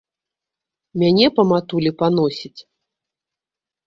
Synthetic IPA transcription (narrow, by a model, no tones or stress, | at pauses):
mʲanʲɛpɐmat̪ulʲipan̪ɔsʲit͡sʲ